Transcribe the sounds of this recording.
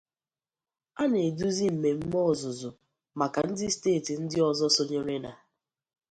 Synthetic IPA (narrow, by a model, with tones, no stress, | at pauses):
a˦ne˨du˦zi˦m̩˨me˨m̩˦mɔ˦˨zʊ˨zʊ˨ | ma˨ka˨n̩˦dɪ˦steː˦˨ti˨n̩˦dɪ˦ɔ˨zɔ˦so˦ɲe˦ɾe˦na˨